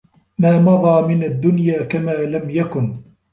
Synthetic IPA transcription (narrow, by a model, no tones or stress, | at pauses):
maːmɑɣɑːmɪnad̪ːʊnjaːkamaːlamjakʊn